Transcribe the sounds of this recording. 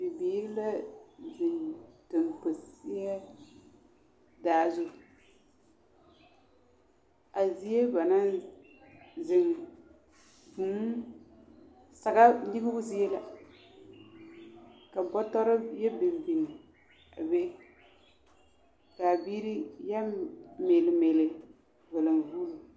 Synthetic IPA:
dɪ˨bi˨˦ɾla˦zɪ˨ŋto˨npo˨sɪ˦a˦ | daː˨˦zʊ˦˨ | a˨zi˦e˦ba˨na˦ | zɪ˨ŋ | bu˨˦ | sa˨ɡa˦ni˦ɡɪ˦bʊ˦zi˦e˦la˨ | ka˨bɔ˦tɔ˦ɾa˦jɛ˦bɪ˨mbi˨ŋi˨ | a̰˨be˦ | ka˨biː˦ɾi˦ja˦me˨lɪ˨me˨lɪ˨ | vɛ˨lɨ˨mvuː˦lʊ˨

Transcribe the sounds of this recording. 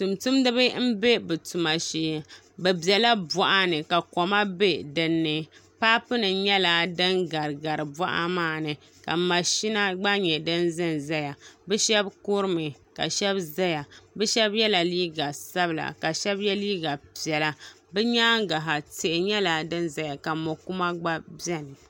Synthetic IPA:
tu˨mtu˦mdɨ˦βɨ˦m̩˦be˦bɨ˨tu˨ma˨ʃeː˨ | bɛ˨bɛ˨la˦bɔ˦ʔa˦nɨ˨ka˨kɔ˨ma˦be˦dɨ˨nːɨ˨paː˦pɨ˦nɨ˨ɲɛ˦la˦˨dɨ˦nɡa˨ɾɨ˨ɡa˨ɾɨ˨ba˦ʔa̰˦maː˦˨nɨ˨ | ka˨ma˨ʃi˦na˦ɡ͡ba˦ɲɛ˨dɨ˦nzɨ˦nza˦ja˨bɛ˦ʃɛ˦bkʊ˦ɾɨ˦mɨ˨ | ka̰˨ʃɛ˦bza˦ja˨bɛ˦ʃɛ˦bjɛ˦la˨liː˦ɡa˨sa˦bɨ˨la̰˨ka˨ʃɛ˦bjɛ˦liː˦ɡa˨pi˨ɛ˨la˦ | bɛ˦ɲaː˦ŋɡa˨ɦa˨te˨ʔɪ˨ɲɛ˦la˨dɨ˦nza˨ja˨ka˨mo˨ku˦ma˦ɡ͡ba˦bjɛ˦nɨ˨

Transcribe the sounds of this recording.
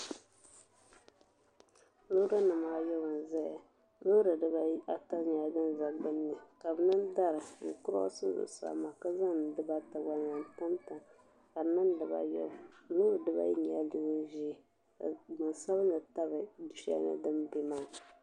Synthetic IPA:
lo˦ɾa˦nɨ˨maː˦jɔ˦ba˨n˨zɛ˦˨a˨ | lo˦ɾɨ˨dɨ˦ba˦a˨ta˦ɲa˨˦ɡɨ˦n˨za˨bɨ˦nːɨ˨ka˨bɨ˨nɨ˦nda˦ɾɨ˨ŋ̩˨kʊ˦ɾɔ̰˦sɨ˦zɨ̰˨sa̰˨ma˨ka˦za˦˨dɨ˦ba˦ta˨wa˦n˨a˨n˨ta˦mta˨ | ka˨nɨ˦n˦dɨ˨ba̰˨jɔ̰˦lo˦ɾɨ˨dɨ˦ba̰˦ji˦ɲa˨˦li˦ɡɨ˦n˦ʒi˦˨ | mɨ˨nsa˦βnɨ˨ta˦βɨ˨du˨ʃi˦a̰˦nɨ̰˦dɨ˦mbi˨ma˦ŋ˨

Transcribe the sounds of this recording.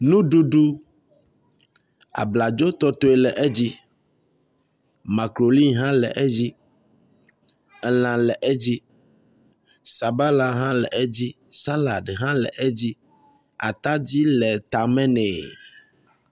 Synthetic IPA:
nũ˦ɖu˦ɖu˦ | a̰˨bla˨d͡ʒo˦t̪ɔ˦t̪o˦ɛ˨lɛ˨ʔɛ˦d͡ʑi˦ | ma˨kɾo˨li˦nɦã˦lɛ̰˨ʔɛ˦d͡ʑi˦ | ɛ˨lã˨lɛ˨ʔɛ˦d͡ʑi˦ | sa˨ba˦la˨ɦã˦lɛ̰˨ʔɛ˦d͡ʑi˦ | sa˦la˨ɖɦã˦lɛ̰˨ʔɛ˦d͡ʑi˦ | a̰˨t̪a˦d͡ʑi˦lɛ˨t̪a˨mɛ̃˦nɛ˨

